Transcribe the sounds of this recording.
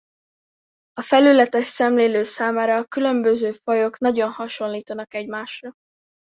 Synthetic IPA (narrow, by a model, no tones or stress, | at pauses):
ɒfɛlylɛt̪ɛʃsɛmleːløːsaːmaːɾɒːkylø̞mbøzøːfɒjo̞knɒɟonhɒʃo̞nliːt̪ɒnɒkɛɟmaːʃrɒ